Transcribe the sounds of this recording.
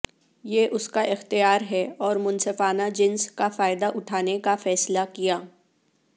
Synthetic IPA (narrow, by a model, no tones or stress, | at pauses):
jeːʔʊskaʔɪxt̪ijaːɾɦɛɔːɾmʊnsɪfaːnad͡ʒɪnskafaːɪd̪aʔʊʈʰaːnekafɛːslakijaː